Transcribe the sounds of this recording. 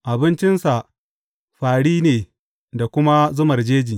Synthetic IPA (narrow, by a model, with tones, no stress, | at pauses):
ʔa˨bɪ˦nt͡ʃɪ˦nsa˨ʔ | ɸaː˨ɽiː˦neː˨ | da˨kʷʊ˦ma˦zʊ˦mɐ˨rd͡ʒeː˦d͡ʒiː˨